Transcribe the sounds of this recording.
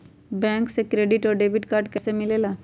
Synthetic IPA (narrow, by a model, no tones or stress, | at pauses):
bɛ̃ːŋksekɾeːɖɪʈɔːɾɖeːbɪʈkaːɾɖkəsemɪleːlaː